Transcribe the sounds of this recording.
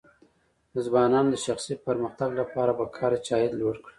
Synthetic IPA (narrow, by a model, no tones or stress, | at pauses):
nɪzbɑnɑnod̪əʃaxsipəɾməxt̪aɡlapɑɾabakʰɑɾat͡ʃɑjɪd̪lwoɽkɽi̥